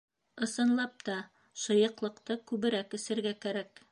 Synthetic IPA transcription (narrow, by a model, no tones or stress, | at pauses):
ɤ̆sɤ̆nlˠɑp̚t̪ɑ | ʃɤ̆jɤ̆qlˠɤ̆qt̪ɤkʉβɘ̆ɾækɵ̆sɘ̆ɾɡækæɾæk